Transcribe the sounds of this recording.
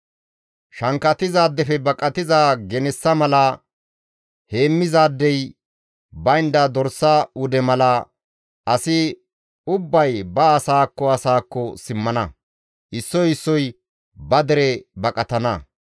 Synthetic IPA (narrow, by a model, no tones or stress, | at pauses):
ʃɐŋkːɐt̪ɪzaːd̪ːɛfɛbɐkʼɐt̪ɪzaːɡɛnɛsːɐmɐlɐ | he̞ːmːɪzaːd̪ːɛj | bɐjnd̪ɐd̪ɔɾsːaʊd̪ɛmɐlɐ | ɐsɪ | ʊbːɐjbɐːsaːkːɔɐsaːkːɔsɪmːɐnɐ | ʔɪsːɔjɪsːɔj | bɐd̪ɛɾɛbɐkʼɐt̪ɐnɐ